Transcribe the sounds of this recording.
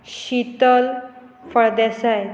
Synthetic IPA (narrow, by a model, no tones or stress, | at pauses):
ɕit̪əl | fəɭd̪asaj